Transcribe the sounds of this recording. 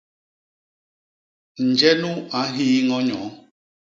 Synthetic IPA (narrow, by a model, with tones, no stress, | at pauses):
n̩˨d͡ʒɛ˦nũ˦a˨˦ɦi˦ŋɔ˦ɲɔ̃˨˦